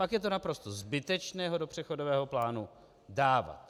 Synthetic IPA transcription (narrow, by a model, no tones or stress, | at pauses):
akjɛt̪onapɾo̞st̪ozbɪt̪ɛt͡ʃnɛːɦo̞dopr̝̥ɛxodovɛːɦo̞plaːnu | daːva̰t̪